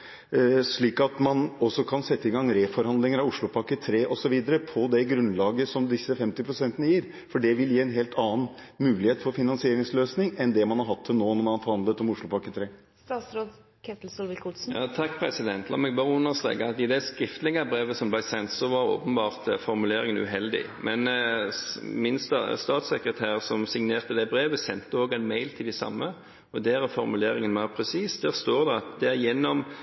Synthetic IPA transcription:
ʂɭiːkɑt̪mɑnɔsːɔkʰɑnsɛt̪ːəɪɡɑŋɾeːfɔɾhɑnd̪lɪŋəɾɑʋʊʂɭʊpʰɑkət̪ʰɾeːʔɔsɔʋiːd̪əɾəpʰɔd̪ɛɡɾʉnlɑːɡəsɔmd̪ɪsːəfɛmt̪ɪpʰɾʊsɛnt̪ənəjiːɾ | fɔɖɛʋɪljiːɛnɦeːlt̪ʰɑːən | mʉːlɪheːt̪fɔɾfɪnɑnsɪeːɾɪŋsløːsnɪŋɛnd̪ɛmɑnhɑɾɦɑt̪ʰːɪlnoːnɔɾmɑnhɑɾfɔɾhɑnd̪lət̪ɔmʊʂɭʊpʰɑkːət̪ʰɾeː | st̪ɑːt̪sɾoːd̪ | kʰɛt̪l̩sɔlʋɪlkʰʊsn̩jɑːt̪ʰɑkːpʰɾɛsɪd̪ɛnt̪ʰlɑ̰mɛɡ̚bɑːʁəʊnːəʁst̪ʁḛːɡəɑt̪ɪd̪ɛskɾɪft̪əlɪŋəbɾeːʋəsɔmblæɪsɛnt̪sɔʋɑɾo̰ːpənbɑːʁt̪æɾfɔɾmʉleːɾɪŋənʉ̰ɦɛld̪ɪ̰mʔɛn | mɪnst̪ɑst̪ɑːt̪sɛkɾət̪ʰæːʁsɔmsɪŋneːʁt̪əd̪ɛbɾeːʋəsɛnt̪əoːɡæɪnmeɪlt̪ʰɪld̪ɪsɑ̰mːə | ɔd̪ɛæɾæfɔɾmʉleːɾɪŋənmæːʁpʰɾɛsiːsd̪̥æːɾst̪oːʁd̪ɛɑt̪̚d̪ɛæɾjɛnːɔm

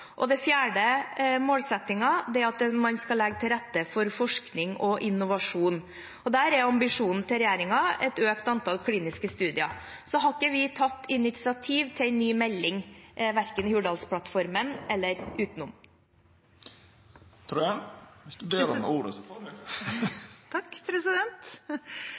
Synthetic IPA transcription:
ʔɔd̪ɛfjæːɖəmoːlsɛt̪ɪŋɑd̪ɛɑt̪mɑnskɑlɛɡət̪ʰɪlɾɛt̪ːəfɔɾfɔʂknɪŋɔʔɪnːʊʋɑʂuːn | ɔd̪æːɾɛɾɑmbɪʂuːnn̩t̪ʰɪɾɛjeːɾɪŋɑɛt̪øːkt̪ɑnt̪ʰɑlkʰliːnɪskəst̪ʉːd̪ɪɑsɔɦɑɾkəʋɪt̪ʰɑt̪ːɪnɪt̪sɪɑt̪ʰiːʋt̪ʰɪæɪnːyːmɛlːɪŋʔʋæɾkənhʉːɖɑlspʰlɑt̪fɔɾmənɛlːəɾʉːt̪nʊm | t̪ʰɾuːɛʋɪsd̪d̪eːləmɛ̰uːɾəsɔfo | t̪ʰɑkːpʰɾɛsɪd̪ɛnt̪

